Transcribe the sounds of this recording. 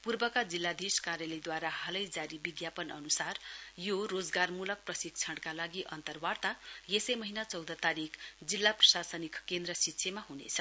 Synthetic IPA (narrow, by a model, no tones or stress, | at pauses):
purbʌkad͡zilːad̪iskaɾjalid̪waɾahʌlʌjd͡zaɾibiɡjapʌnʌ̰nusarjorod͡zɡarmulʌk̚prʌsik̚t͡sʰʌɽkalaɡiʔʌnt̪ʌrwart̪ajesʌjmʌɦinat͡sʌwd̪ʌt̪aɾikʰd͡zilːaprʌsasʌnikkend̪rʌsitːsʰemaɦunḛt͡sʰʌ̥